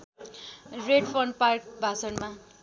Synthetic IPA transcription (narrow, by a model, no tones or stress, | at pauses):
reɖpʰʌɳɖ̚park̚bʱasʌnma